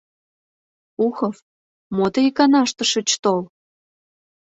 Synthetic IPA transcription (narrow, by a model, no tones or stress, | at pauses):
uxɤf | mot̪ɤikɑnɑʃt̪ə̆ʃə̆t͡ɕt̪ol